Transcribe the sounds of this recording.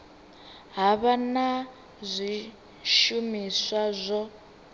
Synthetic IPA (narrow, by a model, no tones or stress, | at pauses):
ɦaβana | zʷi | ʃumisʷwazʷɔ